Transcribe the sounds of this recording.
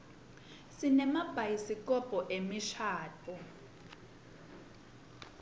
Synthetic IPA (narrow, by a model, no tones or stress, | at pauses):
sinɛmab̥ʱajisikɔpʼɔʔemiʃaːtʰʼu